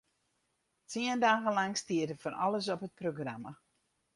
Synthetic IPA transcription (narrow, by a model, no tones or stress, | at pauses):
tiəndaːɣəlaŋstiətəfɔna̰ləsɔpət̚proɡrama